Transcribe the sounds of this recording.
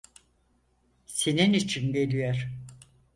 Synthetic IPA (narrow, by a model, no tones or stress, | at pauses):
seninit͡ʃʰinɟe̞lʲijoɾ̥